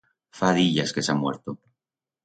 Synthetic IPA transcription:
faðiʎaskesamwḛɾt̪o

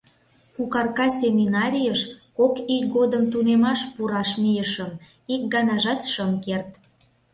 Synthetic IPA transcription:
kukɑrkɑsʲemʲinɑɾʲijəʃkokikɡod̪əmt̪unemɑʃpuɾɑʃmijəʃəm | ik̚ɡɑnɑʒɑt̪ʃəmkert̪

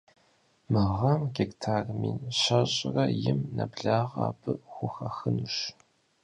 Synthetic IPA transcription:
mɨʁɐmɡʲektʰaːrmḭːnɕɐɕʼrɐjɪmnɐbɮaːʁa̰ːbʰɨxʷʊxɐxɨnɨɕ

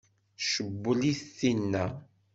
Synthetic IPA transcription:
ʃəbːəliθinːæ

